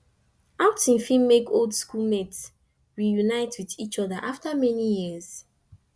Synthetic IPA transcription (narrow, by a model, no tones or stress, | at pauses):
aʊtĩnfĩmekoldskulmɛt | wijunaɪtwiðit͡ʃɔðəʔaftamɛnijiz̥